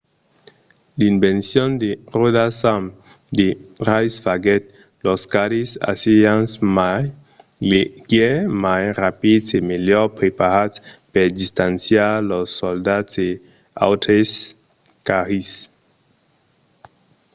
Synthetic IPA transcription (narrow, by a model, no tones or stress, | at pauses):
linbensjɔnd̪erodasam | d̪eʁajsfaɡɛt̪ | lɔskaɾisa̰siansmaj | leɡemajrapidsemelɔɾpɾepaɾat͡speɾd̪ist̪ansjaɾlosːold̪atse | a̰wt̪ɾes | kaʁis